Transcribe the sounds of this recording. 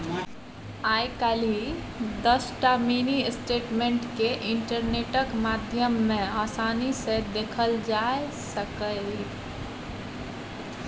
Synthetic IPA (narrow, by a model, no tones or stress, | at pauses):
aːjkali | d̪əsʈamiːnisʈeːʈmẽɳʈkeʔɪ̃ɳʈəɾneːʈəkmaːd̪ʱjəmːẽaːsaːnised̪eːkʰəld͡ʒaːe | səkə